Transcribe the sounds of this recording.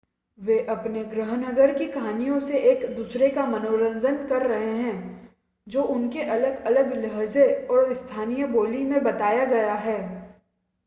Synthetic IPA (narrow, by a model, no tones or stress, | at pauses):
ʋeːʔɐpneɡɾəɦənɐɡəɾkikaːnijõseʔeːkd̪uːsɾekamɐnoːɾə̃nd͡ʒ̪ʱənkɐɾːɐɦeɦɛ̃ː | d͡ʒoːʔʊnkeʔɐləɡɐləɡləɦzeɔːɾɪst̪ʰaːnijəboːlimẽbɐt̪aːjaɡɐjaɦɛː